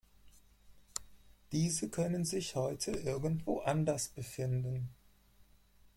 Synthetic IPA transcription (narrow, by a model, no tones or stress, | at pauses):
d̥iːzəkʰœnənzɪçhɔʏtʰəʔɪɐɡn̩tv̥o̰ːʔandɐsb̥əfɪndn̩